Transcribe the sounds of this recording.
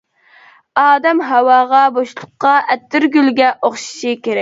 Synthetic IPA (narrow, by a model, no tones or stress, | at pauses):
ɑːd̪ɛmɦɛwɑːʁɑboʃlˠʊqːɑʔɛt̪ːɪɾɡʲylɡʲɛʔoχʃi̥ʃikʲeɾɛk̚ʲ